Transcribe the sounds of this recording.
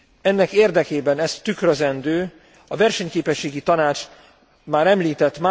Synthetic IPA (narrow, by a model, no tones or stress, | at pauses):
ɛnːɛkeːrd̪ɛkeːbɛnɛst̪ːykrøzɛnd̪øː | ɒvɛrʃɛɲkeːpɛʃːeːɡit̪ɒnaːt͡ʃ | maːɾɛmliːt̪ɛt̪ːmaː